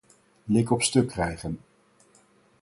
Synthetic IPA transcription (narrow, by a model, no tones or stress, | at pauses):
lɪkɔpstɵkːrɛjχən